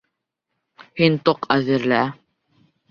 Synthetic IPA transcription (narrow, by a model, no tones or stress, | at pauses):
hint̪oqʰæðɘ̆ɾlæ